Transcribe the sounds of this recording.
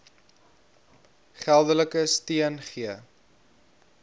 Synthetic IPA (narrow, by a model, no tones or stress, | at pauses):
χælˠdələkəstiənχiə